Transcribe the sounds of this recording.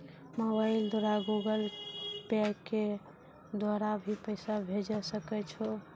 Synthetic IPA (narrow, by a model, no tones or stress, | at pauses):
mobaɪld̪oɾaɡuɡəlpɛkːe | d̪waɾabʱipəɪsabʱed͡ʒəsəkɛt͡ʃʰu